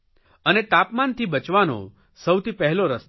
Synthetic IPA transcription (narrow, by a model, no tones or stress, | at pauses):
ənet̪apmant̪ʰibət͡ʃʋano̰ | səwt̪ipɛɦɛloɾəst